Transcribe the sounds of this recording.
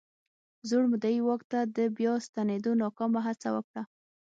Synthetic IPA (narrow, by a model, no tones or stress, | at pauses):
zoɽmʊd̪aiwɑkt̪ad̪əbjɑst̪aned̪onɑkɑmaɦat͡sawə̰kɽa